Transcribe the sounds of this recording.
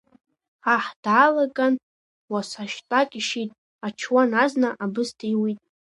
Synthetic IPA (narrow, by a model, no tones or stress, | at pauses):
aħd̥ʕalaɡʼan | wasaʃtʼakʲʼiʃitʼ | at͡ʃʰwanaznaʔabɨstʰijwitʼ